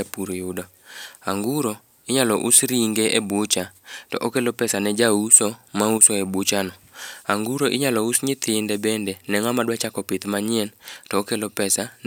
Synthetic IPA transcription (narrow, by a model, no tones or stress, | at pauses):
apuɾojʊda | aŋɡuɾo | ɪɲalɔʔusɾiŋɡeʔebʊt͡ʃatɔ̰ʔokelopɛsanɛd͡ʒausomausoebut͡ʃanɔaŋɡuɾoʔɪɲalɔusɲɪt̪ʰɪndɛbɛndɛnɛŋamadwat͡ʃakɔpɪt̪maɲɪɛntɔokelopɛsan